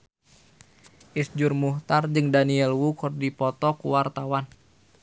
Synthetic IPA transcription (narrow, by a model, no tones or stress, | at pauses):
ʔisd͡ʒurmuht̪ard͡ʒɨŋdaniɛlwukurdipɔt̪ɔkuwart̪awan